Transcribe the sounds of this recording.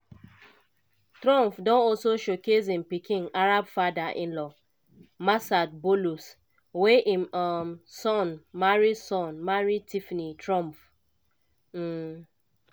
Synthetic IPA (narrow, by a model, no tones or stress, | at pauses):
tɾɔ̃mfdɔ̃nɔlsoʃokezĩm̩pikʰɪ̃ŋaɾabfadaʔɪ̃nlɔ | masad̚bolus | weʔimɔmsɔnmaɾisɔ̃nmaɾitʰifnitɾɔ̃mf | m̩